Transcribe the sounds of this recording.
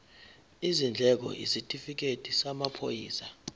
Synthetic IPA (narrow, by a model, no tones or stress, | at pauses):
izind͡ɮʱɛk̬ɔ̰ʔḭsitʼifik̬ʼetʰʼisamapʰojiːsa